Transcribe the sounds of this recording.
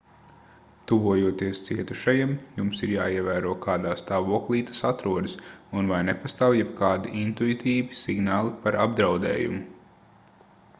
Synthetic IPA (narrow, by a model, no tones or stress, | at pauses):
t̪uvuɔjuɔt̪iɛst̪siɛt̪uʃajimjumsiɾja̰ːiɛvæːɾuɔkʰaːd̪aːst̪aːvuɔklˠiːt̪ḁsat̪ɾuɔd̪isunvajnɛpast̪aːwjɛbkaːd̪iʔint̪uit̪ʰiːvisiɡnaːlˠipaɾʔabd̪ɾawd̪ɛ̰ːjṵmu